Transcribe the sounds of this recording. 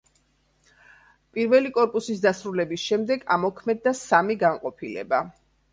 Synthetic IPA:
pʼiɾvɛlikʼɔɾpʼusisd̪asɾulɛbisʃɛmd̪ɛɡamɔkʰmɛd̪ːasamiɡaŋqʼɔpʰilɛ̰ba

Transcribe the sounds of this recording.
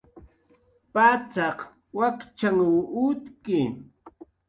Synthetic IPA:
pat͡sɑq | wakt͡ʃaŋuʊt̪kɪ

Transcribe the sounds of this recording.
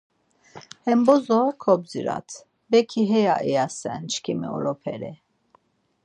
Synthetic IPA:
hɛmbɔzɔkʰɔb̚d͡ziɾa̰t̪ʰ | bɛkʰiɦɛjaʔɛjasɛnt͡ʃʰkʰimḭɔ̰ɾɔpʰɛɾɛ

